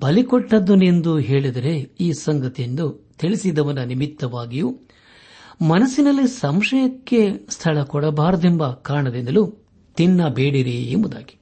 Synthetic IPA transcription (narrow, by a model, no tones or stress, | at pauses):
bɐlikɔʈːɐd̪unend̪uɦe̞ːɭid̪ɐɾe̞iːsɐŋɡɐt̪ijend̪ut̪iɭisid̪ɐʋɐnːɐnimit̪ːɐʋaːɡiju | mɐnɐsinɐlːisɐmʂɐjɐkːe̞st̪ʰɐɭɐkɔɽɐbaːɾɐd̪embɐkaːɳɐd̪ind̪ɐlu | t̪inːɐbeːɽiɾiḛmbud̪a̰ːɡi̥